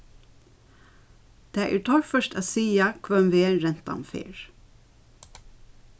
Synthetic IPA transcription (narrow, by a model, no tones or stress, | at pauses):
d̪̥æːʔæːɹtʰɔɹfœʃt̪æːsiːɑkʰʋœmʋeːɹɛnt̪ɑ̰mfḛːɹ